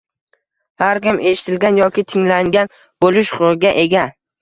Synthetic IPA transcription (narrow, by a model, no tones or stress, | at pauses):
haɾkʲɪmʔe̞ʃɪ̥t̪ʰɪlɡʲanjɒkʲɪt̪ʰɪŋlaŋɡʲan | b̥olɪʃχʊʁɨɡʲaʔe̞ɡʲa